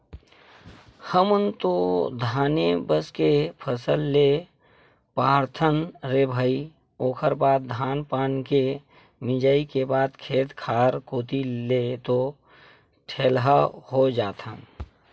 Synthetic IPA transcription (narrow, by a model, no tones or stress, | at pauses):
həmənt̪od̪ʱaːnebəskepʰəsəlːe | paːɾt̪ʰənɾebʱəi | oːkʰəɾbaːd̪̚d̪ʱaːnpaːnke | mɪd͡ʒəikebaːd̪kʰeːt̪kʰaːɾkoːt̪ilet̪o | ʈʰeːlɦahod͡ʒaːt̪ʰən